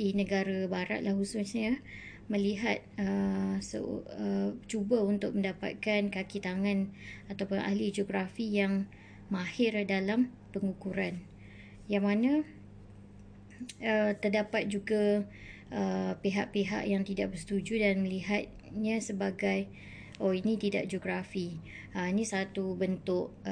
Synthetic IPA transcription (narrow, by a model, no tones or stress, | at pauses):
inə̃ɡaɾabaɾa̰t̪̚lahusʊsɲə | mə̃liɦat̪̚əsə̰ət͡ʃubaunt̪ʊk̚mə̃ndapa̰t̪̚kankakit̪aŋãnat̪awpʊnʔa̰hlid͡ʒoɡɾafijaŋ | mahɪrdalam | pəŋukuɾan | jaŋmanã | ət̪ərdapat̪̚d͡ʒuɡa | ʔəpeɦaʔ̚peɦa̰ʔjaŋt̪idaʔ̚bərsət̪ud͡ʒudanmə̃liɦat̪̚ | ɲə̃səbaɡaj | oinĩt̪idaʔd͡ʒoɡɾafi | əinĩsat̪ubənt̪ʊʔ